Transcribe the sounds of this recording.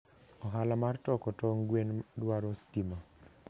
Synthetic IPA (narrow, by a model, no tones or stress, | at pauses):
ɔɦalamartɔkɔtɔŋɡwendwaɾɔstima